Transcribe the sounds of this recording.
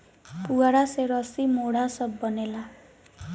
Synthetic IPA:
puɡaɾaseɾʌsimoɽasʌbːʌnela

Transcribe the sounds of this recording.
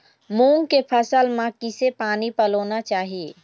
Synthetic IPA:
muːŋkepʰəsəlmãkɪsepaːnipəloːnat͡ʃaːɦie

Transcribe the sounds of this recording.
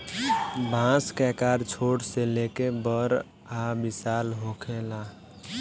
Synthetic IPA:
bʱãskɛkaɾt͡ʃʰoɽselekebəɾ | abisalɦokʰela

